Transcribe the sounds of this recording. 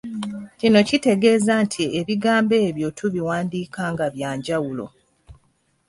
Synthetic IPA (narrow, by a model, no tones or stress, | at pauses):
cino̞cite̞ɡe̞ːzantʰieβiɡaːmbe̞ːβjo̞tʰuβiwaːndiːkaːŋɡaβjaːɲɟawulo̞̰